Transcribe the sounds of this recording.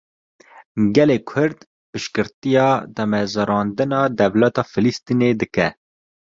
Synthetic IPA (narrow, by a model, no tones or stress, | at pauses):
ɡɛleːkʰʊɾd̪ | pɨʃkɨɾt̪ijɑːd̪ɛmɛzɑɾɑːnd̪ɨnɑːd̪ɛvlɛt̪ɑːfɨlist̪iːneːd̪ɨkɛ